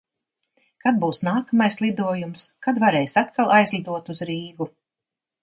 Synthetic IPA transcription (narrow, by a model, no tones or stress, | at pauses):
kad̪̚buːsnaːkamajslˠid̪uɔjumskad̪vaɾɛjsʲat̪kʰalˠajzlʲˠid̪uɔt̪uzɾiːɡu